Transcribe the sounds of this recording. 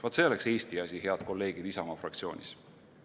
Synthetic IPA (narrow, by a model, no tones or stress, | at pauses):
vɑt̪se̞ːlekse̞ːst̪iɑsʲihe̞ɑd̪̥ko̞lːe̞ːɡ̥id̪isɑmɑfrɑk̚t̪sio̞̰ːnʲḭs